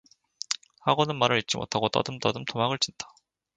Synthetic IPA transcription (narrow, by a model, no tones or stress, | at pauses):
haɡonɯnmaɾɯɾit̚t͡ɕ͈imo̰tʰaɡot͈ʌ̰dɯmt͈ʌdɯmtʰomaɡɯɭt͡ɕ͈inda